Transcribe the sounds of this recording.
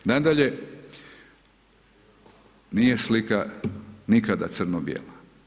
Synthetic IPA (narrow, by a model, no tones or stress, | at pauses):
nad̪aʎe | nijeslikanikad̪a̰t̪sɨrnobjḛːlˠa